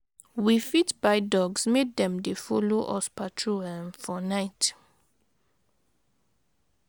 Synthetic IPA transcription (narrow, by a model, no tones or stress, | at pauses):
wifitbaɪdɔɡsmet̚dɛ̃mdefɔloʔɔ̰spatʰɹoɛmfɔnaɪt